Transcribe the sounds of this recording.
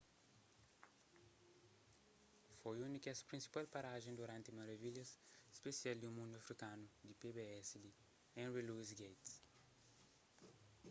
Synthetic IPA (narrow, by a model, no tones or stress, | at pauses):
fojunikɛsɐ̥pɾĩnsi̥palpaɾaʒẽd̪uɾãnt̪ɪmaɾɐviʎɐse̥spesiald̪ɪumũnd̪uɐfɾikãnʊd̪ipebeɛsɪd̪ɪ | ẽnɾiluizɡejt̪s